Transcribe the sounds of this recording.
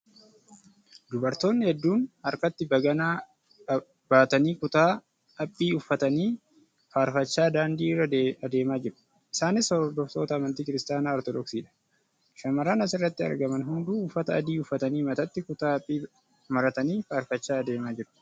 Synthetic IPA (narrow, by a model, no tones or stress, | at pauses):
d̪ʊbɐɾt̪o̞ːnːɪhɛd̪ːuːnɐɾkɐt̪ːɪbɐɡɐnaː | baːt̪ɐniːkʊt̪aː | ɐpʼːiːʊfːɐt̪ɐniː | faːɾfɐt͡ʃːaːd̪aːnd̪iːɪrɐɐd̪e̞ːmaːd͡ʒɪɾʊ̥ | ʔɪsaːnɪsɔɾɔɾd̪ɔft̪o̞ːt̪ɐːmɐnt̪iːkɪɾɪst̪aːnaːɔɾt̪ɔd̪ɔksiːᶑɐ̥ | ʃɐmɐɾaːnɐsɪrːɐt̪ːɪɐ̰ɾɡɐmɐnɦʊnd̪uːfːɐt̪ɐɐd̪iːʊfːɐt̪ɐniːmɐt̪ɐt̪ːɪkʊt̪aːpʼːiː | mɐɾɐt̪ɐniːfaːɾfɐt͡ʃːaːɐd̪e̞ːmaːd͡ʒɪɾʊ